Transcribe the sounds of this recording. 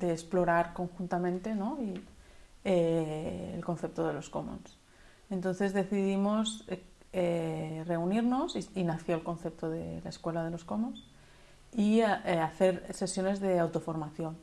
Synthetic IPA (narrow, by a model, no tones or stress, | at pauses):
d̪e̞ːsplo̞ɾaɾko̞ŋxunt̪amẽnt̪e̞no̞i | ḛː | lko̞nθe̞p̚t̪oðe̞lo̞sko̞mo̰ns | e̞nt̪o̞nθe̞zðe̞θiðimo̞s | ere̞uniɾno̞siinaθjoalko̞nθe̞p̚t̪oðḛlaeskwe̞laðe̞lo̞sko̞mons | ieaθe̞ɾse̞sjo̞ne̞zðe̞awt̪ofo̞ɾmaθjo̞n